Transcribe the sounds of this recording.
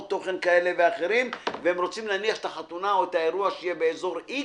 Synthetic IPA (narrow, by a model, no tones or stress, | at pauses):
t̪o̞χe̞nkaele̞veaχe̞ɾimvehemʁo̞t͡simlaniaχet̪aχat̪unaoet̪aeʁuaʃejebeeːzo̞ʁi